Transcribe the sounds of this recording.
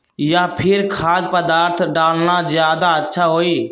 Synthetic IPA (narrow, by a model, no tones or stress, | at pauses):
jaːpʰɪɾkʰaːspəd̪aːɾt̪ʰɖaːlnaːzjaːd̪aːətːʃʰaːɦoːiː